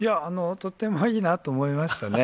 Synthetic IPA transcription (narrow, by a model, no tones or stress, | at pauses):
jaːnot̪o̞t̪ːe̞mo̞iːnat̪o̞ːmoimaɕi̥t̪ane̞